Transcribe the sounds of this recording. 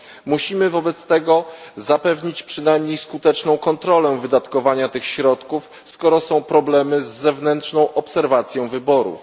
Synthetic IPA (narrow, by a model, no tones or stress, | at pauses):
muɕimɘvɔbɛt̪st̪ɛɡɔzapɛvɲit͡ɕpʂɘnajmɲejskut̪ɛt͡ʂnɔ̃w̃kɔnt̪ɾɔlɛvɘd̪at̪kɔvaɲat̪ɘxɕɾɔt̪kuf | skɔɾɔsɔ̃w̃pɾɔblɛmɘzːɛvnɛntʂnɔ̃w̃ʔɔpsɛɾvat̪sʲjɔ̃w̃vɘbɔɾṵf